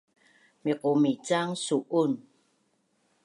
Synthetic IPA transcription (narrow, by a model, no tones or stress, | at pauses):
meqomit͡ʃaŋsuʔʊn